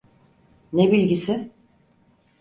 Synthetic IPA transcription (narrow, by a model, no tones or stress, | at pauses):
nebilʲɟisɪ